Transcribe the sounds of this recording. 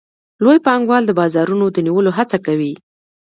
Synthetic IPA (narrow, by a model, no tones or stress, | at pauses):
lojpɑŋɡwɑld̪əbɑzɑɾunod̪əniwəloɦat͡sakawi